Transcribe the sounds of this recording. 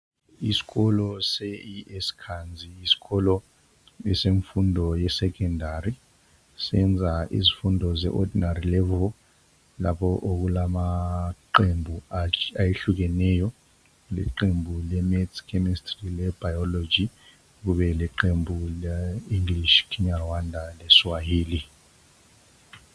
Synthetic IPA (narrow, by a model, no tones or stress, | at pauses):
isi̥kɔlɔseiɛskʰand͡zʱiːsi̥kɔlɔ | ɛseɱfundʱɔjɛsɛkʰɛndʱari | sɛnd͡zʱaʔḭzifundʱɔzɛ̰ʔɔdʱinarilɛvɔ | la̰pʰɔʔok̬ulamaǃembʱuajeɬuk̬ɛnɛjɔ | lɛ̰ǃembʱulɛmɛdikʰɛmistrilɛb̥ajɔlod͡ʒi | k̬uɓɛlɛǃembʱulɛiŋɡliʃkʰiɲarwandʱalɛswajiːli